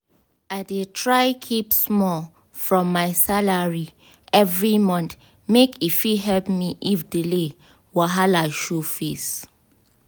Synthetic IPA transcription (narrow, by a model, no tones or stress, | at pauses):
adetʰɹaɪkʰipsmɔ | fɹɔ̃mːaɪsalaɹi | ɛvɹimɔ̃nt̪ | mekifiɦɛlpmiʔifdile | waɦalaʃufis